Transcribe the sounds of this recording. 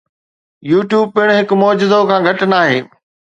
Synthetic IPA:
juːʈjuːb̚pɪɽ̃ɦɪkmɔːd͡ʑɪd̪okʰãːɡʱɐʈnaːɦḛː

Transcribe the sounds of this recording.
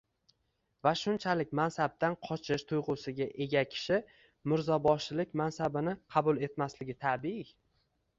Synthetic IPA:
vaʃʊnt͡ʃʰalɪk̚ʲmansab̚t̪anqʰɒt͡ʃʰɪʃt̪ʰʊjʁʊsɪɡʲaʔe̞ɡʲakʲʰɪ̥ʃɪ | mɪɾzɒbɒʃɪlɪk̚ʲmansabɪnɪqʰɑbʊlˠe̞t̪maslɪɡʲɪt̪ʰabi

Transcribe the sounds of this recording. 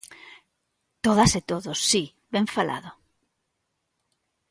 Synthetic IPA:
t̪oðaset̪oðosːi | βɛɱfalʔa̰ðo

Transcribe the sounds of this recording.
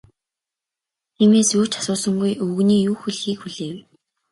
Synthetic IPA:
t̪ʰiːmeːsu̥ːt͡ɕḁsʊːsə̆ŋɡujɵwɣniːjuːxuɮxiːkxuɮeːw

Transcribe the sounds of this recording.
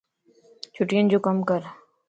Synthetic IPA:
t͡ʃʰuʈijənd͡ʒoːkəmkəɾ

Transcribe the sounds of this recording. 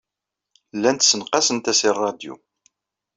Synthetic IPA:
lːænt̪sənqɑsənt̪æsirˤːɑd̪jṵ

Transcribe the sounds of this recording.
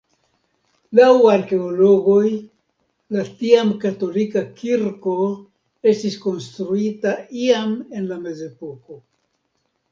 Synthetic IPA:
lawaɾke̞olo̞ɡo̞j | latiamkato̞likakiɾko̞ | e̞stisko̞nstɾuitaiame̞nlame̞ze̞po̞ko̞

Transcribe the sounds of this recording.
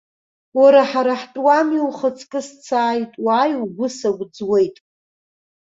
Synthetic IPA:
waɾaħaɾaħtʼwamiwχət͡sʼkʼɨst͡sʰaːjtʼwaːjuɡʷʊsaɡʷd͡zwe̞jtʼ

